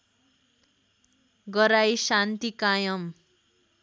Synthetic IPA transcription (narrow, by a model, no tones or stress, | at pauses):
ɡʌɾajsant̪ikajʌm